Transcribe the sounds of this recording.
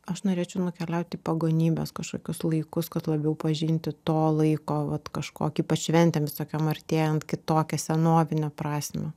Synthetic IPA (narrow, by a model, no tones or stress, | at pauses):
ɐʃnoːɾʲeːt͡ʃʲɛʊnʊkʲɛlʲɛʊt̪ʲiːpɐɡoːnʲiːbʲɛskɐʃkoːkʲʊslˠɐɪkʊskɐt̪lˠɐbʲɛʊpɐʒʲɪnʲt̪ʲɪt̪oːlˠɐɪkoːʋɐt̪kɐʃkoːkʲiːpɐt͡ʃʃʲʋʲɛnʲt̪ʲɛːmʋʲɪsoːkʲɛmɐɾʲt̪ʲeːjɛnt̪kʲɪt̪oːkʲɛsʲɛnoːʋʲɪnʲɛpɾɑːsʲmʲɛ